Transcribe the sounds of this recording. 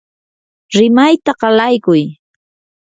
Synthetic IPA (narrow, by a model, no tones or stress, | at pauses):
ɾɪmajt̪aɢɑlajkʊj